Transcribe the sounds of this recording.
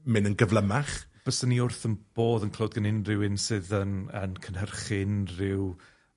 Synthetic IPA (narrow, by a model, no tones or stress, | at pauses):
mɪnənɡəvlˠəmaχ | b̥əsəniʊrθənb̥oːðənkʰlˠoːdɡənɪnrɪwɪnsɨðənə̰nkʰənhərχɪnrɪw